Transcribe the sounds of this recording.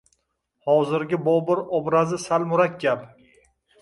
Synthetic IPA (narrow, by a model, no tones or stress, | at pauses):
hɒzɪɾɡʲɪbɒbɪɾɒbɾazɪsalmʊɾakʲɡʲap